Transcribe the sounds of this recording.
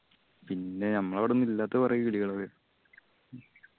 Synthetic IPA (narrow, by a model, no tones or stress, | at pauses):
pinːe̞nɐmːɐɭɐʋiɽɐunːilːaːt̪ːepɐrɐjukiɭiɣɐɭokːe